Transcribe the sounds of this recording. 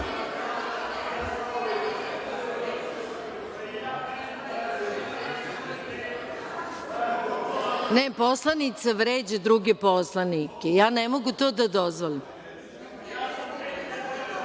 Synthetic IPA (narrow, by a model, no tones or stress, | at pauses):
neposlˠanit̪saʋɾeːd͡ʑed̪ɾuɡeposlanikejaːnemoɡut̪oːd̪ad̪ozʋoʎim